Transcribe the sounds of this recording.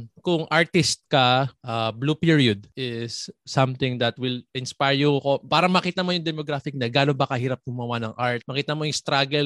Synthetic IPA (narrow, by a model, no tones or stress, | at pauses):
kʊŋʔaɹt̪ɪst̪̚kɐʔabluːpiɹiod̪̚ʔɪsːɐ̃mt̪ɪ̃ŋd̪ɐt̪̚wɪlʔɪnspajɹjukopaːɾɐmɐkiːt̪ɐmo̞jʊŋd̪ɛmoɡɾaːfɪk̚nɐɡaːlobɐkɐhiːɾɐp̚ɡʊmɐwanɐŋʔaɹt̪̚mɐkiːt̪ɐmo̞jʊŋst̪ɾaɡɛl